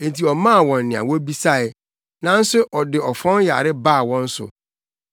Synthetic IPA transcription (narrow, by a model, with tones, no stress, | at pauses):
e˦˨n̩˨tʰi˨ɔ˨mã˦˨wɔ̃˨nː˨ɪ̃˨a̰˨wɔ˦bi˦sa˦ɪ˨ | nã˨n̩˦sʊ˦ʔɔ˨dɪ˨ɔ˨fɔ̃˦n˦ja̰˨ɾɪ˦baː˦˨wɔ̃˦n̩˦sʊ̰˨